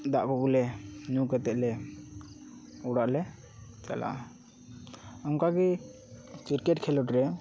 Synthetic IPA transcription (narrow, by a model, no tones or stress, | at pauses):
d̪aʔkɔkulɛnukɔt̪ɛʔlɛ | uɽaʔlɛ | t͡ʃa̰la̰ | ɔŋkaɡi | t͡ʃiɾkɛʈkʰɛlɔʈɾɛ